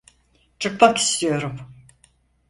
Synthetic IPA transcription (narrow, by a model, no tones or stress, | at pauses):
t͡ʃʰɯkmaki̥st̪ʰijo̞ɾum